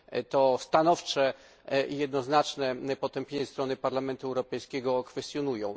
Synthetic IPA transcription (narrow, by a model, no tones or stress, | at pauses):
t̪ɔst̪anɔft͡ʂɛ | ijɛd̪nɔznat͡ʂnɛpɔt̪ɛmpʲjeɲɛst̪ɾɔnɘpaɾlamɛnt̪uɛwɾɔpɛjskʲɛɡɔkfɛst̪ʲjɔnujɔ̃w̃